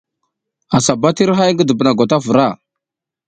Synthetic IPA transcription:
a˨sa˨ba˦ti˦ɾɦa˦jŋɡə˦də˨bə˨na˨ɡʷa˨ta˦və˨ɾa˦˨

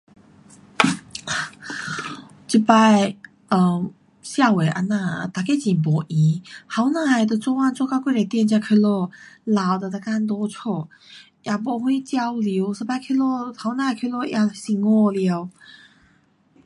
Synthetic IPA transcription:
t͡ɕi˧˩pa˥˧ɪ | ə˧˩ | ɕja˥˧we˨˩ɪʔa̰˧na˥˧t̪a˨˩ke˥˧t͡ɕi˨˩npɔ˨˩˦ʔi˧˦ha˨˧˦ʊna˧˩a˨˩jd̪ə˧t͡swɔ˥˧wa˥˧nt͡swɔ˥˧ka˥˧ʊkwe˥˧˨la˨˩t̪jɛ˥˧nt͡ɕja˥˧kʰə˥˧lɔ˥˩la˨˩wd̪ə˧d̪a˧ka˥˧nt̪̬ɔ˥t͡sʰɔ˥˩ | jʔa˨˩p̬wɔ˧˦xwe˥˧ɪt͡ɕjɑ˧˥ʊlji˧˦ʊsɨ˧pa˥˧kʰi˥˧lɔ˥˧ha˨˧˦ʊna˧a˧˩kʰə˥˧lɔ˥˧ja˧˩ɕi˧˩ŋɔ˥˧˨lja˧˩ʊ

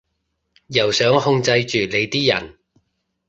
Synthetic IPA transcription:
jɐ˨˩wsœː˨˥ŋhʊ˧ŋt͡sɐ˧jt͡ʃyː˨le˨˧jt̪iː˥jɐ̰˨˩n

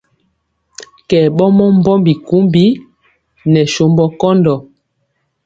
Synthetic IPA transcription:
kɛː˨ɓɔ˦mɔ˦m˦bɔ˦mbi˨ku˨˦mbi˦ | nɛ˨ʃo˨mbɔ˦kɔ˦ndɔ˨

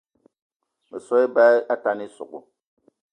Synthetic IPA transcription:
mə˨sɔ˦i˦ba˦a˦ta˦ni˦sṵ˨kṵ˨

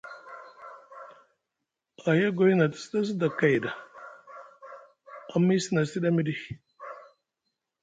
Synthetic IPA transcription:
a˨ja˦ɡo˨˦ji˦na˨ti̥˨si˦ɗa˦s̬i˦da˨ka˨jda˨ | a˨mi˦si˦na˨˦si˦ɗa˦mi˦di˦

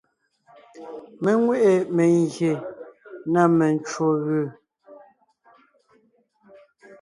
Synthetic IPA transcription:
mɛ˨ŋwe˦ʔe˨mɛ˨ŋɡje˨ | na˦˨mɛ˨n˨t͡ʃwo˨ɣʉː˦˨

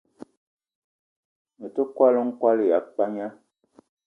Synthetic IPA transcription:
mə˨tə˦kwa˦lə˦ŋ̩˦kwa˦lə˦˨ja˨˦k͡pa˦ɲa˦

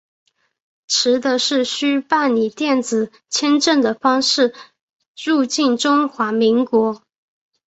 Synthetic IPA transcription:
ʈ͡ʂʰɻ̩˧˥d̪ə˧ʂɻ̩˥˩ɕy˥pa˥˩nni˨˩t̪jɛ˥˩nt͡sɹ̩˨˩ | t͡ɕʰjɛ˥nʈ͡ʂə˥˩ŋd̪ə˩fɑ˥ŋʂɻ̩˥˩ | ɻu˥˧t͡ɕi˥˩nʈ͡ʂʊ˥ŋxwa˧˥mi˧˥ŋkwɔ˧˥

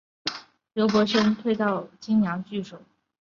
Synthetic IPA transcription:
jjo˧˥ʊkwɔ˧˥ʂə˥nt̪ʰwe˥˧ɪt̪ɑ˥˩ʊt͡ɕi˥ŋnjɑ˧˥ŋt͡ɕy˥˩ʂo˨˩˦

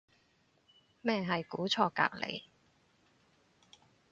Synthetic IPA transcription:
mɛː˥˧ɦɐ˨jkuː˨˥t͡sʰɔː˧ka̰ː˧˩k̚lʔḛ˨˧j

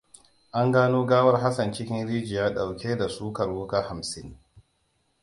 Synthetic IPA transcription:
ʔa˦ŋɡaː˦noː˦ɡaː˦wɐ˦rɦa˦sɐ˨nt͡ʃɪ˦kʲɪ˦nɾiː˦d͡ʒɪ˨jaː˦ɗa˨wkʲeː˦da˨suː˦kɐ˨ɾwʊ˦kaː˦ha˨msɪ˦ŋ

